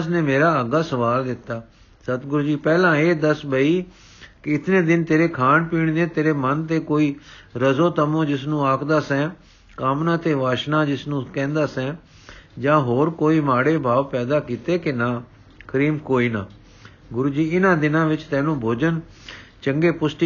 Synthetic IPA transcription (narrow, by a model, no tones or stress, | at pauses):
sneːmeːɾaːəɡaːsəʋaːld̪ɪt̪ːaː | sət̪ɡʊɾuːd͡ʒiːpɛːlãːeːd̪əsbəiː | kɪɪt̪nẽːd̪ɪnt̪eːɾeːkʰaːnpiːɳd̪ẽːt̪eːɾeːmənt̪eːkoːiːɾəzoːt̪əmõːd͡ʒɪsnũːaːkʰd̪aːsɛ̃ː | kaːmnãːt̪eːʋaːʃnãːd͡ʒɪsnũːkɛ̃ːnd̪aːsɛ̃ː | d͡ʒãːɦoːɾkoːiːmaːɽeːbʱaːʋpɛːd̪aːkiːt̪eːkenãː | kəɾiːmkoːiːnaː | ɡʊɾuːd͡ʒiːɪnãːd̪ɪnãːʋɪt͡ʃt̪ɛːnũːbʱoːd͡ʒən | t͡ʃəŋɡeːpʊsʈi